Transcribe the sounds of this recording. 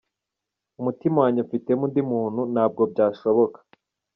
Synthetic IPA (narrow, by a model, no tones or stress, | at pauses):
umutimawaːɲefite̞mundimuːn̥hunaːb̚ɡo̞b̚ɟaːʃo̞βo̞kḁ